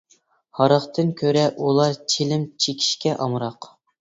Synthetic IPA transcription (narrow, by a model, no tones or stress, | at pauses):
hɑɾəχt̪ʰɨnkʲʰøɾɛʔulˠɑɾt͡ʃʰelɪmt͡ʃʰekʲʰi̥ʃkʲɛʔɑmɾɑq